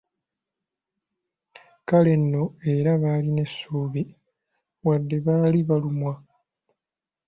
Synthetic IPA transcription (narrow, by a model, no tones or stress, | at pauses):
kale̞nːo̞e̞ɾaβaːline̞sːuːβi | wadːe̞βaːliβalumwa